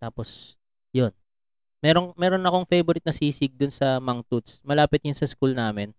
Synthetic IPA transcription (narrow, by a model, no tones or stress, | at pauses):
t̪aːpos | jon | mɛːɾoŋmɛːɾonɐkoŋfejboɾɪt̪̚nɐsiːsɪɡ̚d̪ʊnsɐmɐŋt̪ut̪smɐlaːpɪt̪jʊnsɐskulnaːmɛn